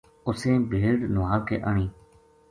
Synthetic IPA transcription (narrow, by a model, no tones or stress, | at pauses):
ʊsẽːbʱeːɽnʊʋaːkʰḛːʔəɳĩː